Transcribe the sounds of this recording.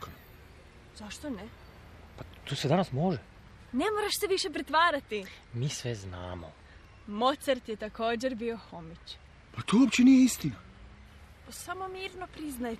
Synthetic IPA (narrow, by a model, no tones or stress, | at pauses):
k | zaʃt̪one | pat̪uːsed̪anasmoʒe | ne̞moɾaʃseʋiʃe̞pɾet̪ʋaːɾat̪i | miːsʋezna̰ːmo̰ | mot̪saɾt̪jet̪ako̞ːd͡ʑe̞ɾbio̞xomit͡ɕ | pat̪uopt͡ɕenijeist̪ina | posamomiːɾnopɾiznaj